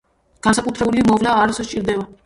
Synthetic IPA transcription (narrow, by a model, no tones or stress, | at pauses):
ɡ̥ansakʼut̪ʰɾɛbulimɔvlaːɾsɔt͡ʃʼiɾd̪ɛba